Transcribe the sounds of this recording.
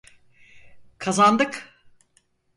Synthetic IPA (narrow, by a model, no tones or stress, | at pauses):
kʰazand̪ɯk